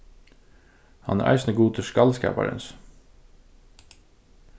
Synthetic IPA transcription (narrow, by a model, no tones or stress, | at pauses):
hɑnæ̰ːɾʔæ̰ɪsnəɡuːt̪ʰəʃkɑlskæ̰ːpɑ̰ɾə̰ns